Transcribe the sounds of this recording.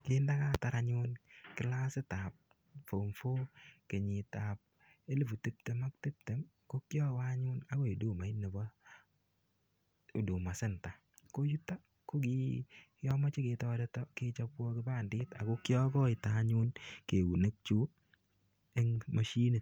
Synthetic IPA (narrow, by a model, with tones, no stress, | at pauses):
kɪ˦nda˦ka˦˨ta˨ɾa˦ɲʊ˦nkɪ˦la˦sɪ˦ta˨p̚ | fo˨mfo˦ke˨ɲɪ˨ta˨p̚ | e˦le˦˨fu˨te˦p̚te˦ma˦k̚te˦p̚te˨m | ko˦kjɔ˦a˦ɲʊ˦na˦ko˦i˨du˦˨ma˨i˦ne˨bɔ˦ | o˨du˨ma˨sɪ˦nta˨ | ko˦ju˦ta˦ | ko˦ki˦ | jɔ˦mɔ˦t͡ʃi˦ke˧tɔː˦dɛ˦tɔ˦kɪ˦t͡ʃa˦kwɔ˦kɪ˦ba˦˨ndɪː˦ta̰˨ko˦kjɔ˦kɔ˦ɪ˨ta˦ɲʊ˦nke˨ɡu˨ne˦k̚t͡ʃu˦ | e˦ŋma˨ʃi˦ni˨